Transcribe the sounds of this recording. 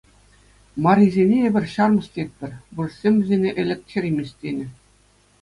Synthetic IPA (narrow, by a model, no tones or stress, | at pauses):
mɑɾʲizʲenʲeebʲɘ̆rʲɕɑrmɤ̆st̪ʲet̚ʲpʲɘ̆rʲbursʲemʲʋɘ̆zʲenʲeʔɘ̆lʲĕk̚t̪ʲxʲerʲimʲisʲt̪ʲenʲɘ̆